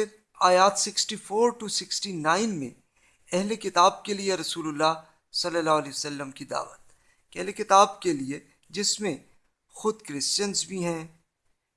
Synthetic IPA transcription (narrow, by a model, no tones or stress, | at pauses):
ɪɾ | aːjaːt̪sɪksʈifoːɾʈusɪksʈinaːɪnmḛ̃ | ɛɦlekɪt̪aːb̚kelieɾɐsuːlʊlːa | sɐlːəlːaːɦʊlɛːsɐlːəmkid̪a̰ːʋət̪̚ | kɛɦlekɪt̪aːbkelie | d͡ʒɪsmẽ | xʊd̪kɾɪst͡ʃənzbʱiɦɛ̃ː